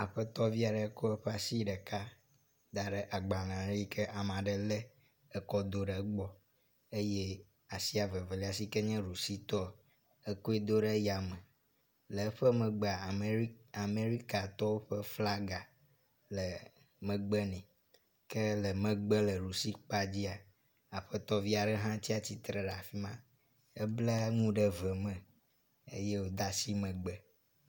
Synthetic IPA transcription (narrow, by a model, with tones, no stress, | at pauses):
a˨ɸɛ˦t̪ɔ˦vi˦a˨ɖɛ˨˦ko˦ɛ˦ɸɛ˦a˨si˦ɖɛ˨ka˦ | d̪a˨ɖɛ˨ʔa˨ɡ͡ba˨nã˨ɾi˦kʰɛ˦ʔa˨mã˨ɖɛ˨lɛ˦ | ɛ˦kɔ˦d̪o˦ɖe˨˦ɡ͡bɔ˦ | e˦je˦ | a˨si˦a˨ve˨ve˨li˦a˨s̬i˦kɛ˦ɲɛ̃˦ɾu˨si˦t̪ɔ˦ | e˦ko˦e˦d̪o˦ɖe˦ja˨mɛ̃˨ | lɛ˨˦ɸɛ˦mɛ̃˨ɡ͡bɛ˦˨a˨a˨me˦ɾi˦ka˨t̪ɔ˦wo˦ɸə˦fla˦ɡa˨ | lə˨ | mə̃˨ɡ͡bɛ˦nɛ̃˨ | kə˦lə˨mɛ̃˨ɡ͡bə˦lə˨ɾu˨si˦k͡pa˦d͡ʑi˦a˨ | a˨ɸɛ˦t̪ɔ˦vi˦a˨ɖɛ˦ɦã˦t͡ɕi˦a˨t͡ɕi˦t̪ɾə˨ɖa˨fi˦mã˦ | ɛ˦blɛ˦ŋũ˦ɖə˦vɛ˨mɛ̃˨ | ḛ˦je˦wo˦d̪a˦si˦mə̃˨ɡ͡bɛ˦